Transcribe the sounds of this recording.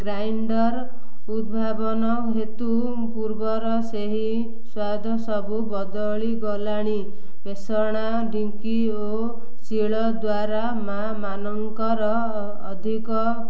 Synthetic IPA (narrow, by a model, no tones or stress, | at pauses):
ɡɾajɳɖʌɾ | ud̪̚bʱabɔnʌkɦet̪u | puɾbɔɾʌseɦi | swad̪ʱɔsʌbʱubʌd̪ɔɭiɡɔlaɽ̃i | besɔɽ̃a | ɖiŋki | o | siɭɔd̪waɾa | ma | manɔŋkɔɾɔː | d̪ʱikɔ